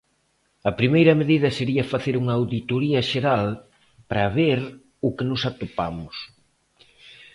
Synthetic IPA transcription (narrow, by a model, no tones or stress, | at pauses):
ɐpɾimejɾɐmeðiðɐseɾiɐfaθeɾuŋɐːwðit̪oɾiɐʃeɾal | pɾɐβeɾ | ʊkɪnʊsat̪opa̰mʊs